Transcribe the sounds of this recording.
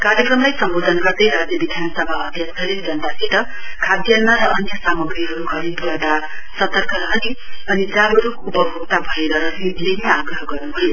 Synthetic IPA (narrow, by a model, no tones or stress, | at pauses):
kaɾjʌkrʌmlajsʌmbod̪ʱʌnɡʌrd̪ʌjɾad͡zjʌbid̪ʱjanʌsʌbʱaʌd̪ʱjʌkt͡sʰʌɾend͡zʱʌnt̪asʰiʈʌ | kʰad̪jʌlmaɾʌʔʌnjʌsamʌɡɾiɦʌɾukʰʌɾid̪ʌd̪a | sʌt̪ʌrkʌɾɦʌniʌnid͡zabʌɾu | upʌbʱokt̪abʱʌeɾʌɾʌsid̪leniaɡrʌɦʌɡʌrnubʱojo